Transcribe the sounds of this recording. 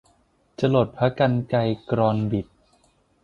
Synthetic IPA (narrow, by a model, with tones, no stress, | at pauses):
t͡ɕa˧lo˨˩t̪̚pʰɾa˦˥ka˧nka˧jkɾɔː˧nbi˨˩t̪̚